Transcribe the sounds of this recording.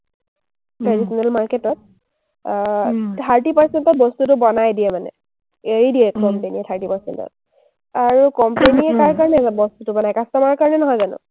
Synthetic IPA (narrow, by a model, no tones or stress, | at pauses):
tɹadisɔnalmaɹketɔt̚ | tʰaɹtipaɹsentɔt̚bɔstutʊbɔnajdiɛmanɛ̰ | eɹidiɛkɔmpeniɛtʰaɹtipaɹsɛ̰ntɔ̰t̚ | aɹukɔmpeniɛkaɹkaɹɔnɛbɔstutʊbɔnajkastɔmaɹkaɹɔnɛnɔɦɔjzanʊ̰